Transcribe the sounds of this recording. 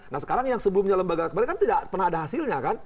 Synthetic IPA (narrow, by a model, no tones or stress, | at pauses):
nasə̥kaɾaŋjaŋsəbəlumɲaləmbaɡakəmalɛkant̪idapərnahadaɦasɪlɲakan